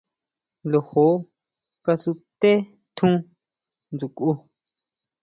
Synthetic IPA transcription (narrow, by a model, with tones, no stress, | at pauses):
lo˨ho˨˦ | ka˧su˧t̪e˦ | t̪ʰũ˦ | nd͡zu˨ku˧